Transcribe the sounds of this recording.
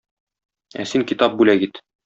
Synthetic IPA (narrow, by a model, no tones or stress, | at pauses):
æ̰siŋkit̪ɑp̚bʉlæɡit̪